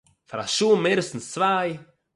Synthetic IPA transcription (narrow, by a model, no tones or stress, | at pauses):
faɾaʃuːmeːɾəstn̩st͡svaɪ